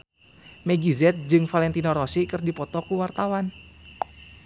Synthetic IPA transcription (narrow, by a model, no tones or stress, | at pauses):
mɛɡizɛt̪̚d͡ʒɨŋfalɛnt̪inɔɾɔsikɨrdipɔt̪ɔkuwart̪awan